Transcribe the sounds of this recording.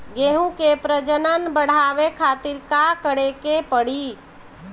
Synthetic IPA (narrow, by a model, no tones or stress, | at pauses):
ɡeɦũkepɾəd͡ʒənənbəɽ̤aʋekʰat̪iɾkakəɽekepəɽ̤i